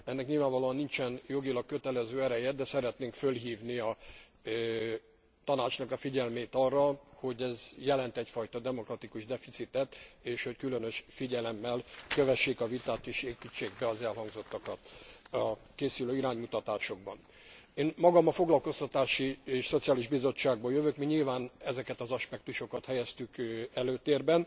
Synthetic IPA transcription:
ɛnːɛkɲilvaːɱvɒloːɒnːint͡ʃɛnjo̞ɡilɒkkø̞t̪ɛlɛzøːɛɾɛjɛd̪d̪ɛsɛɾɛt̪neːŋkfølɦiːvniɒ | t̪ɒnaːt͡ʃnɒkɒfiɟɛlmeːt̪ɒrːɒho̞ɟɛzjɛlɛnt̪ɛcfɒjt̪ɒd̪ɛmo̞krɒt̪ikuʒd̪ɛfit̪sit̪ɛt̪eːʃho̞ckylønø̞ʃfiɟɛlɛmːɛlkøvɛʃːeːkɒvit̪aːt̪eːʃeːpit͡ʃːeːɡbɛɒzɛlɦɒŋɡzo̞t̪ːɒkɒt̪ɒkeːsyløːiɾaːɲmut̪ɒt̪aːʃo̞ɡ̚bɒ̰n | eːnmɒɡɒmɒfo̞ɡlɒlko̞st̪ɒt̪aːʃieːʃso̞t̪sijaːliʒbizo̞t͡ʃːaːɡ̚bojøvøkmiɲilvaːnɛzɛkɛt̪ɒzɒʃpɛk̚t̪uʃo̞kɒt̪hɛjɛst̪ykɛløːt̪eːrbɛn

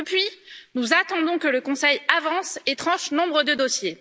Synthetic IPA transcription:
əpɥinuzat̪ɑ̃d̪ɔ̃kələkɔ̃sɛjavɑ̃set̪χɑ̃ʃnɔ̃bʁəd̪əd̪osje

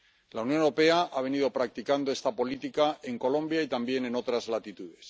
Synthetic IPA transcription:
lawnjo̞newɾope̞aʔaβ̞e̞nið̞o̞pɾak̚t̪ikand̪o̞est̪apo̞lit̪ikae̞ŋko̞lõ̞mbjait̪ambje̞ne̞no̞t̪ɾazlat̪it̪uð̞e̞s

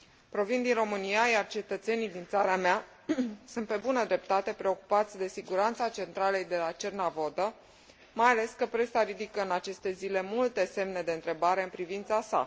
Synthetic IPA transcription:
pɾo̞vind̪inro̞mɨnijajart͡ʃe̞t̪ət̪se̞nijd̪int̪saɾamea | sunt̪̚pe̞bunəd̪ɾe̞p̚t̪at̪e̞pɾe̞o̞ku̥pat̪sʲd̪e̞siɡuɾant̪sat͡ʃe̞nt̪ɾalejd̪e̞lat͡ʃernavo̞d̪ə | majale̞skəpɾe̞saɾid̪ikəɨnat͡ʃe̞st̪e̞zile̞mult̪e̞se̞mne̞d̪e̞ɨnt̪ɾe̞baɾe̞ɨnpɾivint̪sasa̰

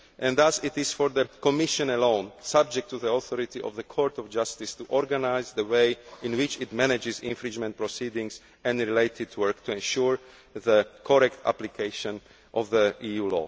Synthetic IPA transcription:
ʔɛ̃nðasɪt̪ɪz̥fɔɾðəkɔmɪʃɔ̃nɛlõʊ̃nsab̚d͡ʒɛk̚t̪ʰːuðiɔθɔɾɪt̪iʔɔ̰vðəkʰɔɹt̪ɔvd͡ʒast̪ɪst̪uʔɔɾɡanaɪzðəweɪɪ̃nwɪt͡ʃɪt̪mɛnɛd͡ʒɪzɪ̰̃ɱfɾĩnd͡ʒmɛ̃nt̚pɹɔsidɪ̃ŋs | ɛ̃nɾileɪt̪ʰɪd̪wɜɹkt̪ʰuɛ̃nʃuɹ | ðəkʰɔɾɛkt̪ʰa̰plikʰeɪʃɔ̃n | ʔɔvðəiːjuːlɔ̰ː

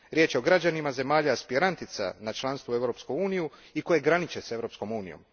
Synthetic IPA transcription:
ɾje̞ːt͡ʃjeo̞ɡɾad͡ʑanimaze̞maːʎaaspiɾant̪it̪sa̰nat͡ʃlˠanst̪vue̞ʋɾo̞pskuuːnijuiko̞je̞ɡɾanit͡ʃe̞se̞ʋɾo̞ːpsko̞muːnḭjo̰m

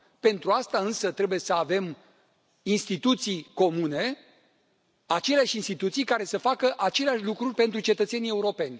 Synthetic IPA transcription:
pe̞nt̪ɾuast̪aɨnsət̪ɾe̞buje̞səave̞m | inst̪it̪ut̪sijko̞mune̞ | at͡ʃe̞leaʃinst̪it̪ut̪sijkaɾe̞səfakəʔat͡ʃe̞leaʃʲlukɾurʲpe̞nt̪ɾut͡ʃe̞t̪ət̪se̞nieuɾo̞pe̞nʲ

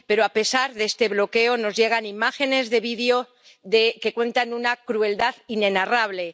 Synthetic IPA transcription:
pe̞ɾoape̞saɾðest̪e̞βlo̞ke̞o̞no̞zʝe̞ɣ̞animaxe̞ne̞zðe̞β̞iðeo | ðe̞ke̞kwe̞nt̪anunakɾue̞ld̪aðine̞naraβle̞

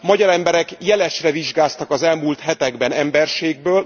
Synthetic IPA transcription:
mɒɟɒɾɛmbɛɾɛkjɛlɛʃrɛviʒɡaːst̪ɒkɒzɛlmult̪ɦɛt̪ɛɡbɛnɛmbɛrʃeːɡ̚bøːl

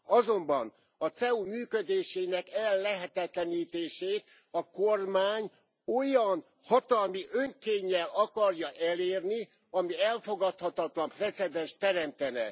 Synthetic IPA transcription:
ɒzo̞mbɒn | ɒt̪sɛumyːkød̪eːʃeːnɛkɛlːɛɦɛt̪ɛt̪lɛniːt̪eːʃeːt̪ | ɒkormaːɲ | o̞jɒn | hɒt̪ɒlmiʔøŋkeːɲːɛlɒkɒrjɒʔɛleːrni | ɒmiɛlfo̞ɡɒt̪hɒt̪ɒt̪lɒmprɛt̪sɛd̪ɛnʃt̪ɛɾɛmt̪ɛnɛ̰

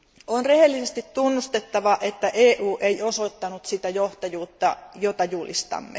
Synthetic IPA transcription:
onrehelːisest̪it̪tunːust̪et̪ːɑʋɑʔet̪ːæʔeːʔuːʔeioso̞t̪ːɑnut̪sit̪æjoht̪ɑjuːt̪ːɑjot̪ɑjulḭst̪ɑ̰mːḛ

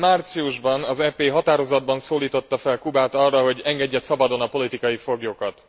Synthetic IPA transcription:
mart̪siuʒbɒnɒzɛpeːɦɒt̪aːɾo̞zɒd̪̚bɒnsoːliːt̪o̞t̪ːɒfɛlkubaːt̪ɒrːɒɦo̞ɟɛŋɡɛɟːɛt̪sɒbɒd̪o̞nɒpo̞lit̪ikɒjifo̞ɡjokɒt̪

